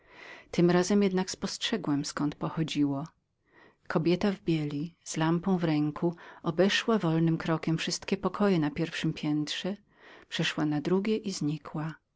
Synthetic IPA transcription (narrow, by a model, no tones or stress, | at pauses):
t̪ɘmɾazɛmjɛd̪nakspɔstʂɛɡwɛmskɔnt̪pɔxɔd͡ʑiwɔ | kʰɔbʲjɛt̪avbʲjɛlʲiz̥lampɔ̃w̃vɾɛŋkʰuɔbɛʂwavɔlnɘmkɾɔkʲɛmfʂɘst̪kʲɛpɔkʰɔjɛnapʲjɛɾfʂɘmpʲjɛnt̪ʂɛ | pʂɛʂwanad̪ɾuɡʲjɛʔizɲikʰwa